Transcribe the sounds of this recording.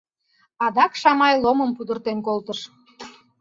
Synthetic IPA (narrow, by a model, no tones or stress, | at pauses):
ɑd̪ɑkʃɑmɑjlˠoməmpud̪ərt̪enkolt̪əʃ